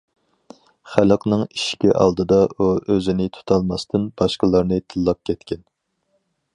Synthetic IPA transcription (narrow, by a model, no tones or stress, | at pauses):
χælˠəqnɨŋiʃkʲiʔɑ̰lˠd̪ɨd̪ɑuøzɪnɪt̪ʰu̥t̪ʰɑlˠmɑst̪ʰɨnbɑʃqəlˠɑɾnɨt̪ʰɨlˠːɑp̚kʲʰɛt̪kʲɛn